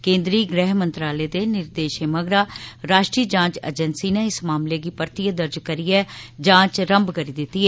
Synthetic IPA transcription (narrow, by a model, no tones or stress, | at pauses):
kẽːnd̪ɾiːɡɾɛːɦmə̃nt̪ɾaːleːd̪eːnɪɾd̪eːʃeːməɡɾaːɾaːʃʈɾiːəd͡ʒãːt͡ʃḛd͡ʒənsiːneːɪsmaːmleːɡiːpəɾt̪ijəd̪əɾd͡ʒkəɾiːɛːd͡ʒãːt͡ʃɾəmbkəɾiːd̪ɪt̪ːiɛː